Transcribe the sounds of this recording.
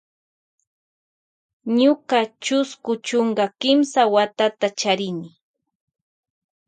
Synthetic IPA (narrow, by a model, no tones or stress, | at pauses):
ɲʊkat͡ʃʊskʊt͡ʃoɴɢakɪmsawat̪at̪at͡ʃaɾɪnɪ